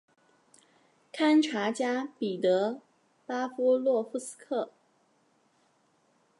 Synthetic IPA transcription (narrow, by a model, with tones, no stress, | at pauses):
kʰa˥nʈ͡ʂʰa˧˥t͡ɕja˥pi˨˩t̪ɤ˧˥ | pa˥fu˥lwɔ˥˩fu˥˩sɹ̩̥˥kʰɤ˥˩